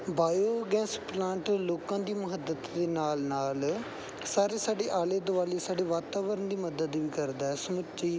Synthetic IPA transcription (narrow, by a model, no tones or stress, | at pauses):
baːjoːɡɛ̃ːsplãːɳʈloːkãːd̪iːmʊɦəd̪ət̪d̪eːnaːlnaːl | saːɾeːsaːɖeːʔaːleːd̪ʊʋaːleːsaːɖeːʋaːt̪aːʋəɾənd̪iːməd̪əd̪ʋiːkəɾd̪aːɛːsəmətːt͡ʃiː